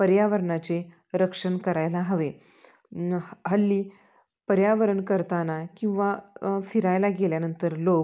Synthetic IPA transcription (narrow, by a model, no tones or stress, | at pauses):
pəɾjaʋəɾɳat͡ɕe | ɾəkʂəɳkəɾajlaɦəʋe | ɦəlːiː | pəɾjaʋəɾəɳkəɾt̪anakĩw̃ʋafiɾajlaɡeljanənt̪əɾlo